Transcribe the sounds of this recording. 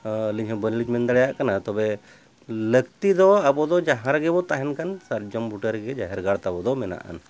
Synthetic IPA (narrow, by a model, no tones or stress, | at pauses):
liɲɦɔbənilid͡ʒmɛnd̪aɽɛjaʔkanat̪ɔbɛ | ləɡt̪id̪ɔabɔd̪ɔd͡ʒãɦãɾɡɛbɔt̪aɦɛnkansaɾd͡ʒɔmbuʈəɾɡɛd͡ʒaɦɛɾɡaɽt̪abɔd̪ɔmɛna̰ʔa̰n